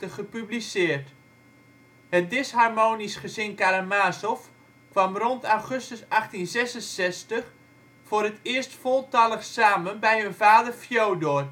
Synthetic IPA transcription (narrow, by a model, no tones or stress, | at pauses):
əχəpyblisɪːərt | hət̚dɪsharmoːnisχəzɪnkaɾəmaːsɔf | kʋamrontawχøstəsaχtinzɛsənsɛstəχ | foːɾətɪərstfolˠtɑlˠəxsaːmənbɛjɦønvaːdərfjowdor